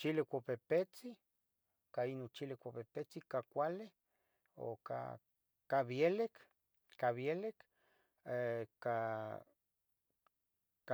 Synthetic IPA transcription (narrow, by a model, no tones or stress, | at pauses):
t͡ʃilekʷapepet͡si | kainot͡ʃilekʷapepet͡sikakʷale | o̰ka̰ | kaβjelek | kaβjelek | eka | ka